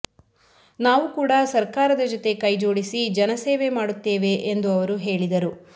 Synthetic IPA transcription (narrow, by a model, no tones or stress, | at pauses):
naːʋukuːɽɐsɐɾkaːɾɐd̪ɐd͡ʒɔt̪e̞kɐjd͡ʒo̞ːɽisid͡ʒɐnɐseːʋe̞maːɽut̪ːeːʋe̞ʔend̪uɐʋɐɾuɦe̞ːɭid̪ɐɾu